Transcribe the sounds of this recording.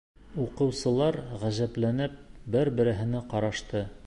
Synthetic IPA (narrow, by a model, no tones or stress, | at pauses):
uqɤ̆wsɤ̆lˠɑɾʁæʑæplænɘp̚bɘɾbɘ̆ɾɘ̆ɦɘ̆nɘqɑɾɑʃt̪ɤ